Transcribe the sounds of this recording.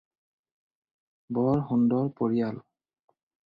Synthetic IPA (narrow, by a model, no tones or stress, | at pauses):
bɔɹxundɔɹpoɹijal